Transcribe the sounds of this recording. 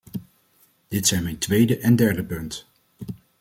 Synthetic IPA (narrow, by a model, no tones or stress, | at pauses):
d̥ɪtsɛjnmɛjntʋejdəʔɛndɛɹdəpɵnt